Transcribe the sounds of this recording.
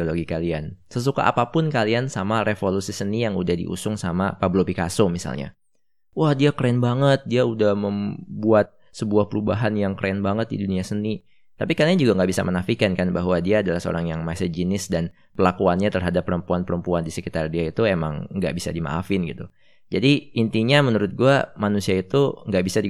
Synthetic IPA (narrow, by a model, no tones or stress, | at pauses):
oloɡikaliansəs̬uka̰ʔa̰papʊnkaliansamarefolusisənijaŋudahdḭʔṵsʊŋsama̰pablopikasʊmisa̰lɲa̰ | wahdiakɾeɛnbaŋət̪̚diaudahməmbuat̪̚ | səbuahpəɾubaɦanjaŋkɾeɛnbaŋət̪̚dḭduniasəni | t̪apikanaɲd͡ʒuɡaŋɡaʔbisa̰mənafikankanbaɦwadiaːdalahsəo̰ɾaŋjaŋmasəd͡ʒinɪsdan | pəlakuanɲat̪ərɦadapːəɾəmpuanpəɾəmpuandisəkit̪ardiait̪uema̰ŋŋɡa̰ʔbisa̰dima̰ʔːfɪnɡit̪u | d͡ʒadiːnt̪iɲamənuɾʊt̪̚ɡuamanusiait̪uŋɡaʔbisadi